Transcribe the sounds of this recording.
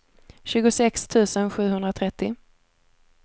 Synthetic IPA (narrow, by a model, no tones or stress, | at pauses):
ɕʉ̟ːɡʊsɛkst̪ʰʉ̟ːsənɧʉ̟ːɦɵnd̪ɾat̪ʰɾɛt̪ːɪ